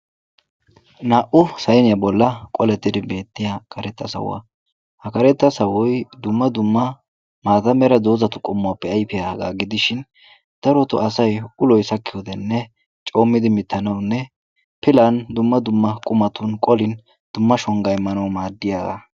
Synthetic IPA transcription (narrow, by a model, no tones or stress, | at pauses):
naːʔʊsɐjnɪjɐbɔlːɐkʼɔlɛt̪ːɪd̪ɪbe̞ːt̪ːɪjakʰɐɾɛt̪ːɐsɐ̰wɐ̰ | hɐkɐɾɛt̪ːɐsɐwɔjd̪ʊmːɐd̪ʊmːɐ | maːt̪ɐmɛɾɐd̪o̞ːzɐt̪ʊkʼɔmːʊapːɛɐjpɪjaɡa̰ːɡɪd̪ɪʃɪn | d̪̥ɐɾɔt̪ʊ̰ʔɐsɐjʊlɔjsɐkːɪjɔd̪ɛnːɛ | t͡ʃʼo̞ːmːɪd̪ɪmɪt̪ʰːɐnɐwnːɛ | pɪlɐnd̪ʊmːɐd̪ʊmːɐkʼʊmɐt̪ʊnkʼɔlɪn | d̪̥ʊmːɐʃɔŋɡɐjmɐnɔwmaːd̪ːɪjaːɡɐ̰